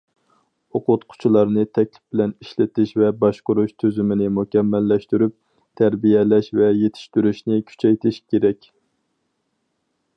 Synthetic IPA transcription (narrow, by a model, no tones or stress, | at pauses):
oqʊt̪qʰʊ̥t͡ʃʰulˠɑɾnɨt̪ʰɛkʲlɪ̥fb̥ɪlɛniʃlɪt̪ɪʃvɛbɑʃqʊɾuʃt̪ʰøzymɪnɪmukʲɛmːɛlːɛʃt̪yɾyp̚ | t̪ʰæɾbijɛlɛʃvɛjet̪ʰɪ̥ʃt̪yɾyʃnɪkʲʰy̥t͡ʃʰɛjt̪ʰɪʃkʲʰeɾɛkʲ